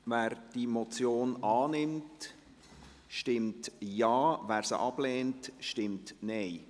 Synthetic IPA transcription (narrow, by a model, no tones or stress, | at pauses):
væːɾd̥imot͡sjoːnɑːnɪmt | ʃtɪmtjɑːvæːɾsə̰ʔɑblɛːntʃtɪmtnɛɪ